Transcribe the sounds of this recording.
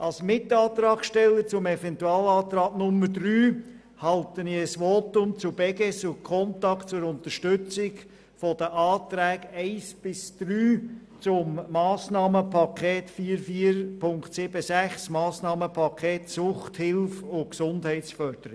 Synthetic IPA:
ʔɑlsmɪtɑːt̪ɾɑːkʃtɛlːəɾt͡sʊmɛvɛntuɑːlɑːtɾɑːɡnʊmːəɾdryː | hɑltənɪəsʋoːtʊmt͡sʊb̥ɛɡɛsʊkʰɔntɑktt͡sʊɾʊnt̪əɾʃtʏt͡sɪɡ | fɔd̥əʔɑːt̪ɾæːɡɛɪsb̥ɪsd̪̥ɾyː | t͡sʊmːɑːsnɑːməpʰɑkʰɛːtfiːəɾfiːəɾpʰʊŋktsɪb̥əsæχsmɑːsnɑːməpʰɑkʰeːtsʊχthɪlfʊksʊndhɛɪtt͡sfœɾd̥̪əɾɪ

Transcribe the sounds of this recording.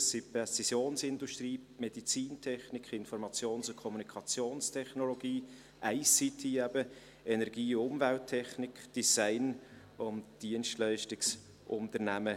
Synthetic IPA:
sipɛsisjoːnsɪnduʃtɾiːmɛd̥it͡siːntʰɛχnɪkʰɪnfɔɾmɑt͡sjoːnsʊkʰɔmunikʰɑt͡sjoːnstʰɛχnolɔɡiː | ʔæɪsit̪ʰiɛbə | ɛnɛɾɡiːʊmvɛltʰːɛχnɪkd̥isaɪn | ʊnd̥iənʃtlaɪʃtɪks | ʔʊntəɾnæmə

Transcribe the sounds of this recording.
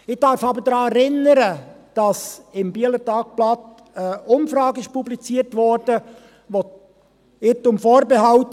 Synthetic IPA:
ɪχd̥ɑɾfɑbəɾdɾɑːɛɾɪnəɾəd̥ɑsɪmbiələɾtɑːk̚b̥lɑt | ɛʊmfɾɑːɡɪʃpublit͡siːəɾtʋɔɾdə | vo | ɪtʊmfoːɾbeɦɑlt

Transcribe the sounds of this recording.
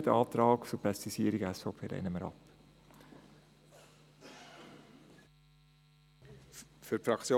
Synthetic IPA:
d̪əɑːt̪ɾɑːkt͡supɾɛst̪isiːəɾiɡəɛsfoːpʰeːɾʔɛ̰nəməɾɑ̰p | fyɾfɾɑkt͡sjo

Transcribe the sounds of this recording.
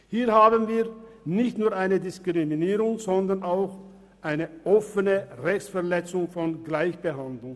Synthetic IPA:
hiːɐhaːbənviːɐnɪçtnuːɐaɪnədɪskʁ̥iminiːʁʊŋz̥ɔndɐʁnaʊx | ʔaɪnəʔɔfənəʁɛçt͡sfɛɐʁlɛt͡sʊŋfɔnɡlaɪçb̥əhandlʊŋ

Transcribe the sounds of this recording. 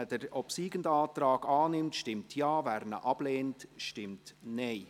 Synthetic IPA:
əd̥əɾɔpsiːɡəndɑːt̪rɑːɡɑːnɪmtʃtɪmtʰjɑːvæːɾnə̰ʔɑb̥leːntʃtɪmtnɛɪ

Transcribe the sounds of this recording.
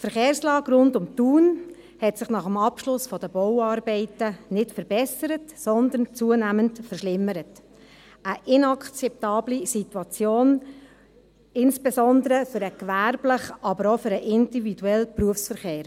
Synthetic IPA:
tfəɾχeːɾslɑːɡɾʊndʊmtuːn | hɛtsɪχnɑχəmɑpʃlʊsfɔd̥əb̥ɔwɑːɾbɛɪtənɪtfəɾbɛsəɾətsɔnd̪ənt͡suːənæːməntfərʃlɪməɾət | əʔɪnɑkt͡sɛp̚tɑːblisituɑt͡sjoːn | ɪnsb̥esɔndəɾəfʏɾəkʋæɾb̥ləχɑbəɾofʏɾəʔɪndividuɛlpruəfsfəɾχeːɾ

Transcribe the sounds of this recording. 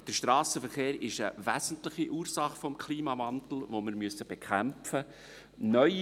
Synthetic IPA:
d̥əɾʃtɾɑːsəfəɾχeːɾɪʃəvæzn̩tlɪχiʔuːɾsɑχfɔmkʰliːmɑvɑnt̪l̩ˠʋoməɾmyəsəb̥ekʰæmfə | nœʏ

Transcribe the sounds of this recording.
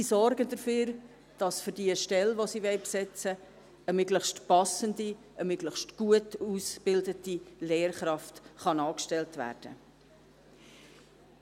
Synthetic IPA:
siːsɔɾɡəndəføːɾ | d̥ɑsfʏɾdiəʃtɛlʋosiːʋɛɪpsɪt͡sə | əmøɡləχʃtpɑsəndi | əmøɡləχʃtɡ̥uətusb̥ɪldətileːrχɾɑftχɑnɑːkʃtɛltvæ̰ːrd̥ə

